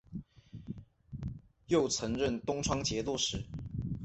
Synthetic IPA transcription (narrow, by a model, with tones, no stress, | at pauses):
jo˥˩ʊt͡sʰɤ˧˥ŋɻə˥˨nt̪ʊ˥ŋʈ͡ʂʰwɑ˥ŋt͡ɕjɛ˧˥t̪u˥˧ʂɻ̩˧˥